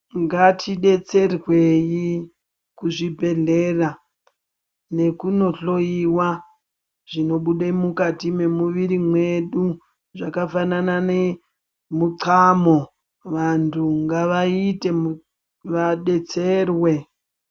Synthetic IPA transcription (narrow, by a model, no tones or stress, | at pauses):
ŋɡatʰiɗe̞t͡se̞rweji | kuʐibʱe̞ɮe̞ra | ne̞kuno̞ɬo̞iwa | ʐ̥ino̞ɓuɗemukatime̞muʋiɾimwe̞ɗu | ʐakafananane̞ | muǀamo̞ | ʋantʰuŋɡaʋaite̞m | ʋaɗe̞t͡serwe̞